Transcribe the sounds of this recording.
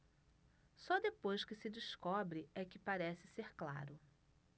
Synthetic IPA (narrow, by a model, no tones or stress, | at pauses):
sɔd̪epojskɪsɪd͡ʒɪskɔbɾɪɛkɪpaɾɛsɪseɾkla̰ɾʊ